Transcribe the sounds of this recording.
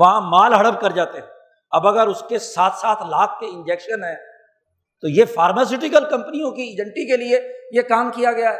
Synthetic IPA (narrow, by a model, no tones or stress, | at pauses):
ʋɐɦãmaːlɦɐɽəb̚kɐɾd͡ʒaːt̪eɦɛ̃ | ɐbɐɡəɾʊskesaːt̪ʰsaːt̪ʰlaːk̚ʰkeɪ̃nd͡ʒɛːkʃənɦɛ̃ː | t̪ojefaːɾmas̬ɪʈɪkəlkɐ̃mpənijõkiːd͡ʒə̃ɳʈikeliejekaːmkijaɡɐjaɦɛː